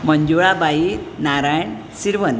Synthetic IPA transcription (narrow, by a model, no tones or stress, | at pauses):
məɲd͡ʒuɭabaiɾnaɾajɳ | siɾʋən